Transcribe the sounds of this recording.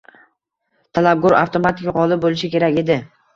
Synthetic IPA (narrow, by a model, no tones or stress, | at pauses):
t̪ʰalab̚ɡɒɾa̰ft̪ʰomat̪ɪkʲaqɒlˠɪp̚bolɪʃɪkʲe̞ɾakʲe̞d̪ɪ